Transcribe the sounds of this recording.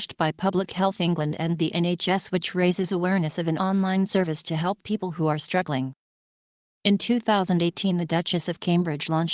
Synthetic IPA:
t͡ʃt̚b̥aɪpʰʌbləkhɛlˠθɪ̃ŋɡlɨ̃ndɨ̃nðiʔɛ̃neɪt͡ʃɛswɨt͡ʃɹeɪzɨzəwɛɹnɨsʌvɨ̃nɑ̃nlãɪ̃nsɜ˞vɨstʰɨɦɛlˠpʰipl̩ˠɦuə˞stɹ̥ʌɡl̩ˠɪ̃ŋ | ɨ̃ntʰʉθaʊzɨ̃ndeɪtʰĩnðɨdʌt͡ʃɨsʌv̥kʰẽɪ̃mbɹɨd͡ʒlɔ̃nt͡ʃ

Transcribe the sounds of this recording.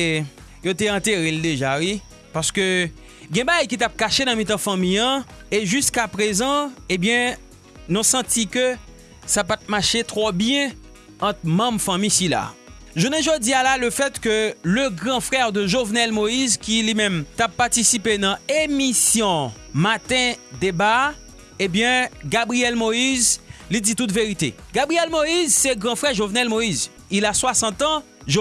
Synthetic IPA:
jot̪eɑ̃t̪eʁeld̪eʒawi | paʁskø | ɡɛ̃baɡajkit̪ap̚kaʃenɐ̃mĩt̪̬ãfãmĩjɑ̃eʒyskapʁezɑ̃ebjɛ̃ | nɔ̃sɑ̃tikø | sapat̪̚maʃet̪ʁobjɛ̃ | ɑ̃t̪mɐ̃mfãmĩsila̰ | ʒunɛ̃ʒod͡zialaləfɛt̪køləɡʁɑ̃fʁɛʁd̪əʒovnɛlmoizkʲilimɛ̃mt̪apːaʁt̪isipenɑ̃emisjɔ̃ | mat̪ɛ̃d̪eba | ebjɛ̃ɡabʁijɛlmoizlid͡zit̪ut̪veʁit̪ḛɡabʁijɛlmoizsɛɡʁɑ̃fʁɛʒovnɛlmoiz | ilaswasɑ̃t̪ɑ̃ | ʒo

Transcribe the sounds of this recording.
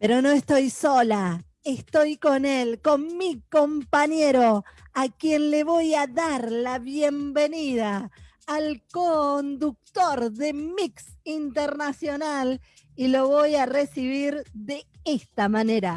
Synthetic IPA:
peɾo̞no̞est̪o̞jso̞la | est̪o̞jko̞nelko̞nmiko̞mpaɲeɾo̞akjenle̞βo̞jaðaɾlaβje̞mbeniðaː | lkond̪uk̚t̪oɾðe̞miksint̪eɾnasjo̞nal | ilo̞βo̞jaresiβiɾðe̞est̪amane̞ɾa

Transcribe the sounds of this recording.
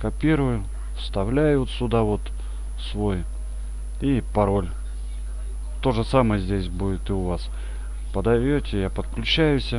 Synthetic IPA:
kɐpʲiɾʊjʊ | st̪ɐvlʲæjʊt̪sʲʊd̪avo̞t̪ | svo̞j | ipɐɾo̞lʲ | t̪o̞ʐɨsamɨjəzʲdʲesʲbudʲɪt̪ɨʊvas | pəd̪ɐvʲotʲɪjapət̪klʲʉt͡ɕæjʊsʲə

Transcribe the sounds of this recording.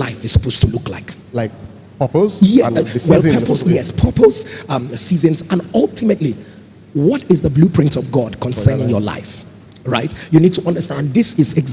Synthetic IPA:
laɪfɨz̥sə̥poʊz̥tʰulʊkla̰ɪk | laɪk̚ | pʰəpozjɛwɛlɛpojɛspʰɜpoz̥ʌsizɨ̃nzə̃nʌlˠtʰɪmətˡli | wɔtɪzðəblupʰɹ̥ɪ̃ntɔvɡɔd̚kʰɔ̃nsɜ˞nɪ̃ŋjəla̰ɪf | ɹa̰ɪtjɨnid̚tʰuʔʌ̃ndə˞stæ̃nðɪsɪzɛɡz

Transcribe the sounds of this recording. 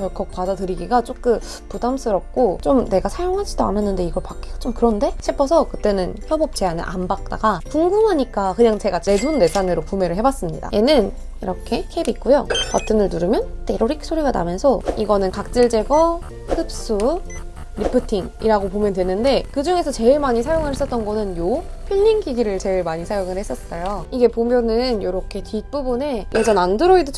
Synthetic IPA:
t͡ɕʌɭk͈ʌk̚pwadadɯɾiɡiɡat͡ɕ͈ok͈ɯ | pudams͈ʰɯɾʌp̚k͈ot͡ɕomne̞ɡasʰajoŋɦad͡ʑid̥oa̰nanːɯnde̞iɡʌɭpak͈eɡat͡ɕ͈omkɯɾʌnde̞ɕʰepʰʌsʰʌkɯt͈e̞nɯnçjʌbʌp̚t͡ɕ͈e̞anɯ̰nʔambak̚t͈a̰ɡakuŋɡumɦaɲik͈akɯɲaŋt͡ɕe̞ɡat͡ɕe̞dunːe̞sʰaneɾopume̞ɾɯɭɦe̞bas͈ɯmɲida̰jʔe̞nɯn | iɾʌkʰe̞kʰebik͈ojoka̰tʰɯnɯɭtɯɾɯmjʌnte̞ɾoɾikʰsʰoɾeɡana̰mjʌnsʰʌiɡʌnɯnkak̚t͡ɕ͈iɭd͡ʑe̞ɡʌ | hɯp̚s͈u | ɾipʰɯtʰiŋḭɾaɡopomjʌndtwenɯnde̞kɯd͡ʑuŋe̞sʰʌt͡ɕe̞ɭmaɲis̬ʰajoŋɯɭhes͈ʌt͈̚ʌnɡʌnɯnjopʰjiʎːiŋkʰiɡiɾɯɭt͡ɕe̞ɭmaɲisʰajoŋɯɭhes͈ʌs͈ʌjoiɡe̞pomjʌnɯnjoɾʌkʰe̞tɥit̚p͈ubɯne̞jʔed͡ʑʰʌnandɯɾoidɯt͡ɕʰ

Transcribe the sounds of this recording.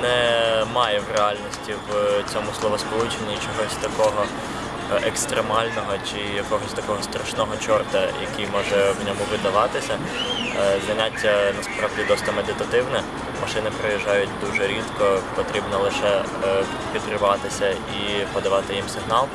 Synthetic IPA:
nɛmɑjɛʋreɑlʲnɔsʲtʲiwt͡sʲɔmʊslˠɔʋɔspɔlˠut͡ʃenʲːit͡ʃɔɦɔsʲt̪ɐkɔɦɔ | ʔɛkst̪ɾemɑlʲnɔɦɔt͡ʃɪjɐkɔɦɔsʲt̪ɐkɔɦɔsʲt̪ɾɐʃnɔɦɔt͡ʃɔrt̪ɐjɐ̰kʲijmɔʒɛwnʲɔmʊʋɪd̪ɐʋɑt̪ɪsʲɐ | zɐnʲatʲːɐnɐspɾɑʋdʲid̪ɔst̪ɐmed̪ɪt̪ɐt̪ɪwnɛ | mɐʃɪnɪpɾɔjɪʒɑjʊtʲd̪uʒɛɾʲit̪kɔpɔt̪ɾʲibnɔlˠɪʃɛ | pʲid̪kɾɪʋɑt̪ɪsʲɐ | ipɔd̪ɐʋɑt̪ɪjimsɪɦnɑlˠ

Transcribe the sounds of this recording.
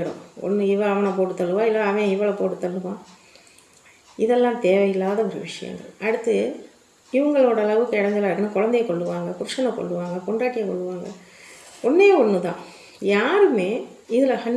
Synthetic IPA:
ɪɽɐ̰̃ɔ̰nːɯɪʋɐɐʋɐnɐp̬oːʈɯt̪ːɐlːɯʋãːɪlːaɐʋɐ̃ɪʋɐɭɐpoːʈɯt̪ːɐlːɯʋãː | ɪðɛlːãːt̪eːʋɐjɪlːaːðɐɔɾɯʋɪʂɐjɐ̰ŋɡɐ̰ɭɐɽɯt̪ːɯ | ɪʋɐŋɡɐɭoːɽɐlɐʋɯkːɯɪɽɐnd̪ɯlaːɾkːɐnɯkɔɻɐnd̪ɐjɐkɔɭːɯʋaːŋɡɐkʊɾʂɐnɐkɔ̰ɭːɯʋaːŋɡɐkɔɳɖaːʈːɪjɐkɔ̰ɭːɯʋaːŋɡɐ̰ | ɔnːeːɔnːɯt̪ã̰ː | jaːɾɯmeː | ɪðɪlɐhɐɳ

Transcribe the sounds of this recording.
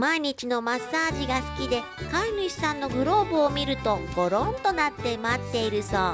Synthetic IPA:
maiɲ̟it͡ɕino̞masːaːʑiɡasɨ̥kʲid̪e̞ | kaɲʲiɕi̥sãnːo̞ɡɯ̟ɾo̞ːbɯ̟omʲiɾɯ̟t̪o̞ɡo̞ɾõnt̪o̞nat̪ːe̞mat̪ːe̞iɾɯ̟soː

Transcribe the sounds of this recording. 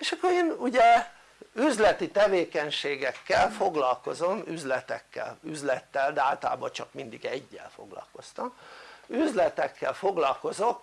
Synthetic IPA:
eːʃɒkːoɾeːnuɟɛ | yzlɛt̪it̪ɛveːkɛɲʃeːɡɛkːɛlfo̞ɡlɒlko̞zo̞myzlɛt̪ɛ̰kːɛ̰lyzlɛt̪ːɛld̪ɛaːlt̪ɒla̰ːbɒt͡ʃɒkmind̪iɡɛɟːɛ̰lfo̞̰ɡlɒ̰lko̞st̪ɒmyzlɛt̪ɛkːɛlfoɡlɒlko̞zo̞k

